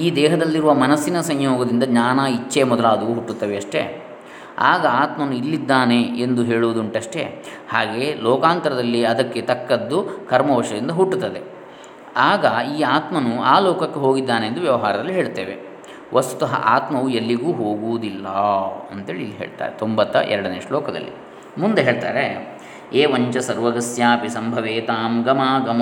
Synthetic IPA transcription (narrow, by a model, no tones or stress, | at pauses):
iːd̪ɛːɦɐd̪ɐlːiɾuʋɐmɐnɐsinɐsɐɲjoːɡɐd̪ɾind̪ɐɲaːnaːit͡ʃːemɔd̪ɐlaːd̪ɐuːɦuʈːut̪ːɐʋeɐʂʈe̞̰ | a̰ːɡɐaːt̪mɐnuilːid̪ːaːne̞end̪uɦe̞ːɭuʋud̪uɳʈɐʂʈe̞̰ | haːɡe̞ːlɔːkaːnt̪ɐɾɐd̪ɐlːiɐd̪ɐkːet̪ɐkːɐd̪ːukʰɐɾmɐʋɐʂɐd̪ind̪ɐɦuʈːut̪ːɐd̪e | aːɡɐiːaːt̪mɐnuaːlɔːkɐkːe̞ɦo̞ːɡid̪ːaːneːnd̪uʋjɐʋɐɦaːɾɐd̪ɐlːiɦeːɭt̪e̞̰ːʋe | ʋʔɐst̪u̥t̪ɐɦɐ̰ʔaːt̪mɐʋuelːiɡuːɦoːɡuːud̪ilːɐɐnt̪e̞ːɭilːiɦeːɭt̪a̰ːɾet̪o̞mbɐt̪ːɐ̰ʔɛ̰ɾɐɽɐneːʂʈulɔːkɐd̪ɐ̰lːḭ | mund̪eɦe̞ːɭt̪a̰ːɾe | eːʋɐɲt͡ʃɐsɐɾʋɐɡɐsjaːpisɐmbʱɐʋeːt̪aːmɡɐmaːɡɐm